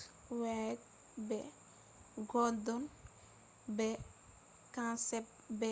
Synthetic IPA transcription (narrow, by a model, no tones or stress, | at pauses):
wɛɛt̪̚ | bɛ | ɡɔd̪ɔn | bɛ | kãnsɛp̚ | bɛ